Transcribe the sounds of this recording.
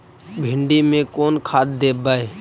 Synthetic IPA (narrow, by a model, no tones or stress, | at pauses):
bʱɪɳɖiːmẽːkoːnkʰaːt̪̚d̪eːbaːeː